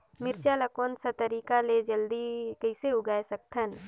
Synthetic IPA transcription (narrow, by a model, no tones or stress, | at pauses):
mɪɾt͡ʃalɐkoːnsɐt̪əɾiːkaled͡ʒəld̪ikɐɪseʊɡaːesɐk̚t̪ʰən